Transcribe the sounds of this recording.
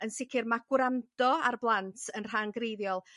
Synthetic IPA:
ənsɪkʰɪrmaɡwɾandɔarblˠantʰənr̥anɡrejðjɔlˠ

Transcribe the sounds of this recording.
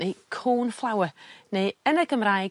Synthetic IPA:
ejkʰoːnflˠawəneːənəɡəmɾaj

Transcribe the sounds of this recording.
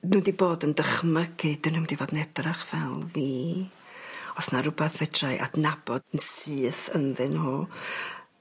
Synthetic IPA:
nuːdiboːdəndəχməɡɨdənudivoːdnɛdraχvɛlˠviː | ɔsnaɾʊbɛθvɛdrajʔa̰dnabɔdənsɨːθənðɨnho

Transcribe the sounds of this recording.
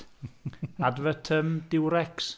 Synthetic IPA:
advətʰəmdɪwɾɛks

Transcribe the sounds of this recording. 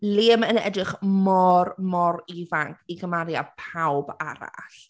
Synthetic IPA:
lɪːmənɛ̰drɪχmɔrmɔɾivaŋkʰiɡəmaɾjapʰawbaɾa̰ɬ

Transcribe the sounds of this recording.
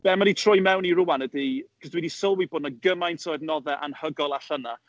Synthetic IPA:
b̥ɛmaditʰrʊjmɛwniɾʊwanədikʰəsdwidisəlˠwɪbʊdnaɡəmajntʰojdnɔðɛʔa̰nhəɡɔlˠaɬəna

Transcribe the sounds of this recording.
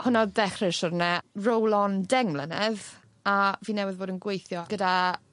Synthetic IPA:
hʊnɔdɛχrɪʃɔɾnɛrowlˠɔndɛŋmlˠənɛð | aviːnɛwɪðboːdənɡwejθjɔɡəda

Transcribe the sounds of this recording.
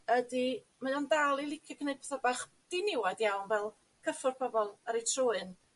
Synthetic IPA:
ədi | majɔndalˠilˠɪkʰɔkʰəned̚pʰɛθabaχ | d̥inɪwadjawnvɛlˠ | kʰəfʊrpʰɔbɔlˠəɾetʰrʊːɨn

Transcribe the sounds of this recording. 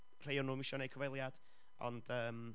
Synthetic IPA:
r̥ejɔnuːmiʃɔnejkʰəvejlˠjad̥ | ɔ̰nd̥əːm

